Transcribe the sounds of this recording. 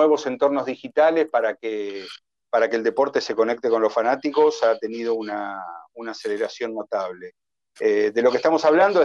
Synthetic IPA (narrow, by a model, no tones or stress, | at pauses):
eβo̞se̞nt̪o̞ɾnoɦðixit̪alespaɾake | paɾakeld̪e̞po̞ɾt̪e̞se̞ko̞nek̚t̪eko̞nlo̞sfanat̪iko̞sat̪e̞nið̞o̞unaunaːse̞leɾasjo̞nːo̞t̪aβle | ed̪e̞lo̞k̬ehst̪amo̞saβland̪o